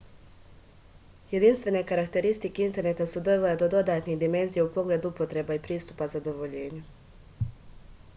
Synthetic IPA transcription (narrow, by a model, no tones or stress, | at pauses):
je̞d̪inst̪ʋe̞ne̞kaɾakt̪e̞ɾist̪ike̞int̪e̞ɾne̞t̪asud̪o̞ʋeled̪od̪o̞d̪aːt̪niɣd̪ime̞nzijeupo̞ɡle̞ːd̪uupo̞t̪ɾe̞baipɾiːst̪upazad̪o̞ʋo̞ʎe̞ːɲe